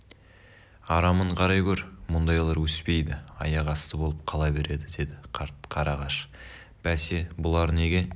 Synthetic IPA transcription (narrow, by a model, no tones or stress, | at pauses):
ɑɾɑməɴqʰɑɾɑjkʲʰɵɾmʊnd̪ɑjlˠɑɾwɵspe̞jd̪ɪɑ̰jɑʁɑst̪əbo̞lˠəp̚qʰɑlˠɑbe̞ɾe̞d̪ɪd̪e̞d̪ɪqʰɑɾɑʁɑʃ | b̥æse̞bʊlˠɑɾne̞ɡʲe̞